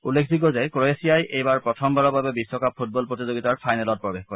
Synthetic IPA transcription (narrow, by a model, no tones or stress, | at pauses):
ulːekʰdik̬ɔzɛkɹoesijajʔejbaɹpɹɔtʰɔmbaɹɔbabɛbisːɔkap̚ʰːut̚bɔlpɹotizoɡitaɹpʰajnɛlɔt̚pɹɔbexkɔɹɛ